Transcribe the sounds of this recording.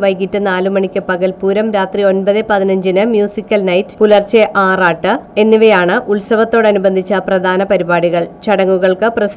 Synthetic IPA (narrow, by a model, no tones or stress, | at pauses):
ʋɐjkitːɨnaːlumɐɳikʲːɨpɐɣɐlpuːɾɐmɾaːt̪rio̞nbɐðɨpɐðinɐɲd͡ʑinɨmjuːsikʲːɐlnɐjtpulɐrt͡ɕeʔaːraːʈːɨe̞nːiʋɐjaːɳɨʔuɭsɐʋɐt̪ːo̞ːɽɐnubɐnd̪ʱit͡ɕːɐprɐd̪ʱaːnɐpɐɾibaːɽiɣɐɭt͡ɕɐɽɐŋːuɣɐɭkɨprɐs